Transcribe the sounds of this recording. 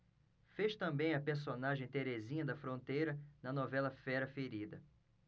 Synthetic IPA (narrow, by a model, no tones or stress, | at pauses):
feʃt̪ɐ̃mbẽj̃ɐpeɾs̬onaʒẽj̃t̪eɾezĩɲɐd̪ɐfɾõnt̪ejɾɐnɐnɔvɛlɐfɛɾɐfeɾid̪ɐ